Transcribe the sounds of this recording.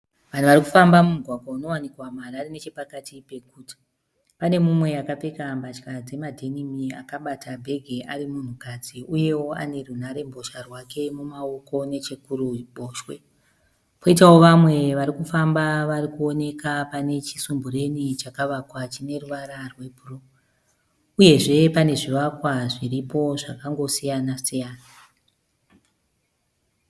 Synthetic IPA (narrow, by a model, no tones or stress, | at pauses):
ʋan̤uʋaɾiku̥fambamumuɡʱwaɡʱouno̞wanikwamararine̞t͡ʃepakatipe̞kuːti̥ | pane̞mumwe̞akapekambat͡ʃkad͡ze̞madʱe̞nimia̰kaɓatʰabʱe̞ɡʱe̞ʔaɾimun̤ukad͡ziuje̞wo̞a̰ne̞runaɾe̞mbʱo̞ʃarwake̞mumao̞ko̞ne̞t͡ʃekuɾuɓoːʃwe̞̰ | poitawo̞ʋamwe̞ʋaɾikufambaʋarikuo̞ne̞kapane̞t͡ʃisumbuɾe̞nit͡ʃakaʋakwat͡ʃine̞ruʋaɾarwe̞puro | uje̞ʐe̞pane̞ʐiʋakwaʐiɾipo̞ʐakaŋɡo̞sijanasijaːna